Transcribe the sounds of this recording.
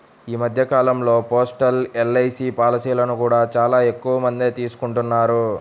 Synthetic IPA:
iːmɐd̪ʱjɐkaːlɐmlo̞ːpoːsʈɐlelːɐjsiːpaːlɐsiːlɐnukuːɽaːt͡ʃaːlaːe̞kːuʋɐmɐnd̪et̪iːsu̥kuɳʈunːaːɾu

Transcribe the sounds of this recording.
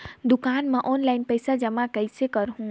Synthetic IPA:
d̪ʊkaːnmẽʔɔːnlaɪnpəɪsad͡ʒəmakəɪsekəɾɦũ

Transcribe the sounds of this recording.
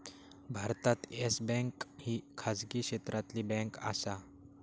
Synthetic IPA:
bʱaɾt̪at̪esbɛ̃ŋkhiːkʰad͡zɡiːkɕet̪ɾʔat̪liːbɛ̃ŋka̰sa

